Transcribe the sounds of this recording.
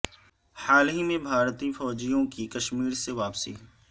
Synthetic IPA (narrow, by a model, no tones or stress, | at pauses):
haːlɦimẽbʱaːɾt̪ifɔːd͡ʒijõkikɐʃmiːɾseʋaːpsḭ